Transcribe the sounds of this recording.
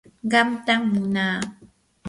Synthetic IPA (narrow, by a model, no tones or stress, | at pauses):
ɢɑmt̪aŋmʊnaː